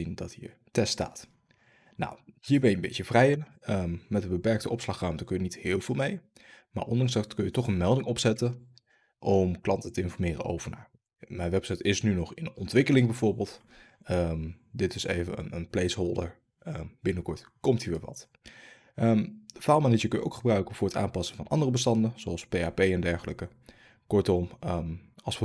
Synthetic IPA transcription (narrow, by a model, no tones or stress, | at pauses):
indɑtɦiːəɹ | tɛsta̰ːt | na̰whiːɹbɛnjkəmbɪ̰tjəv̥rɛjɪnəmmɛtənbəpɛɹk̚təʔɔpslɑχraɥmtəkɵjənithɪːlˠvɪːlˠmej | ma̰ːɹʔɔndɑŋsɑtkɵnjətɔχənmɛlˠdɪŋɔpsɛtə | ʔɔmklɑntətəɪnfɔɹmɪːrə̰ʔo̰wvəɹna̰ːɹ | mɛjnʋɛpsɛjtɪsnynɔχɪnɔntʋɪkəlɪŋbɛv̥oɹbeːlˠt | əm | dɪtɪsḛjvə̰nə̰nənplejsɦolˠdə̰ɹ | əb̥ɪnəkɔɹtkɔmthiːɹʋɪʋɑ̰t | əmdəfaːlˠmaːnijəkɵnjəʔo̰wkχəbrœɥkənv̥ʊːɹəta̰ːmpɑsənvɑnʔɑ̰ndərəbəstɑndəz̥oɑlˠspejapejɛndɛɹχələkə | kɔɹtɔm | ɑlˠsʋə